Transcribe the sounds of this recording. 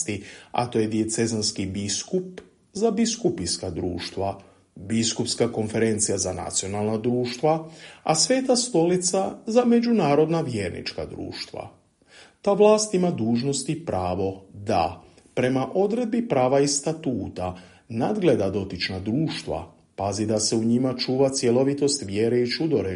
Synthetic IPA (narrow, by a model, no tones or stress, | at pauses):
t̪ia̰t̪o̞ːjed̪ie̞t̪se̞zanskibiskup | zabiskupiskad̪ɾṵːʃt̪ʋa | biskupskako̞nfe̞ɾe̞nt̪sijazana̰t̪sio̞naːlˠnad̪ɾuːʃt̪ʋaasʋe̞t̪ast̪o̞lit̪sazame̞d͡ʒunaːɾo̞d̪naʋjeːɾnḭt͡ʃka̰d̪ɾṵːʃt̪ʋa̰ | t̪aːʋlˠaːst̪imad̪uːʒno̞st̪ipɾaːʋo̞d̪a̰ | pɾe̞maʔo̞d̪ɾe̞d̪̚bipɾaːʋaist̪at̪uːt̪a | nad̪ɡle̞d̪ad̪o̞t̪it͡ʃnad̪ɾuːʃt̪ʋa̰ | pazid̪ase̞uɲimat͡ʃuːʋat̪sje̞lo̞ʋit̪o̞st̪ʋjeːɾeit͡ʃud̪o̞ɾe